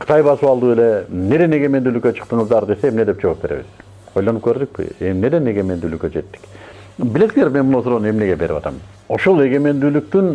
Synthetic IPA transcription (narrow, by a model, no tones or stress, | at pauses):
qʰɯ̥t̪ɑjbɑsɯβɑlˠd̪uːe̞le̞ne̞d̪e̞ne̞ɡe̞me̞nd̪yːlykːøt͡ʃʰɯ̥q̚t̪ɯɴɯzd̪ɑɾd̪e̞seːmneep̚d͡ʒo̞op̚be̞ɾe̞̰βḭz | o̞jlˠɑnɯp̚kʰøɾd̪yk̚pḭe̞mne̞d̪ene̞ɡe̞me̞nd̪yːlykød͡ʒe̞t̪ːi̥k | bile̞siŋe̞ɾmenmunosuɾonne̞mne̞ɡe̞be̞ɾḭpɑt̪ɑ̰m | o̞ʃolˠe̞ɡe̞me̞nd̪yːlyk̚t̪yn